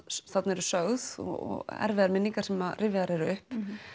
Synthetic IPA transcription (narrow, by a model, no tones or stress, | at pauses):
θat̪nɛɾʏsœːɣðɔ̰ɔ̰ɣɛ̰ɾvɪðaɾmɪnːiŋkaɾ̥sɛmaðrʔɪvɪðaɾɛɾʏʏhp